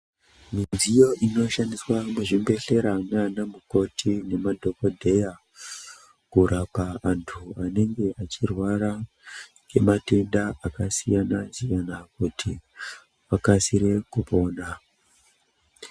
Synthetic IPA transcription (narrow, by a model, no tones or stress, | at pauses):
minzijo̞ʔino̞ʃandiswamuʐimbe̞ɬe̞ɾananamuko̞tʰine̞madʱo̞ko̞dʱe̞ja | kuɾapaantʰuane̞ŋɡe̞ʔat͡ʃirwaɾa | ke̞mate̞ndaakasijanazijanakutʰi | ʋakasiɾe̞kupo̞ːna